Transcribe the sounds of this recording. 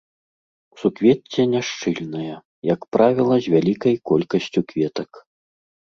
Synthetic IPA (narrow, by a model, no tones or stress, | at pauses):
u̥sukvʲɛt͡sʲːɛnʲaʂt͡ʂɨlʲnɐjɐ | jɐkpɾavʲɛlˠɐzʲvʲalʲikɐjkɔlʲkɐsʲt͡sʲukvʲɛt̪ɐk